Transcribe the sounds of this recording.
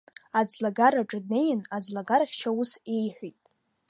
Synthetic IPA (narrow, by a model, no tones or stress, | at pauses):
ad͡zlaɡaɾaʈ͡ʂʼɨdnejnad͡zlaɡarχʲʃawuse̞jħʷijtʼ